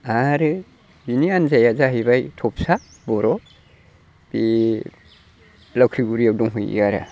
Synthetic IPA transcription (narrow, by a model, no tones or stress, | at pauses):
aɾɯ | binianzajazaɦibajtʰɔp̚sa | bɔɾɔ | b̥i | lawkʰɾiɡuɾijawdɔŋɦujḭaɾa̰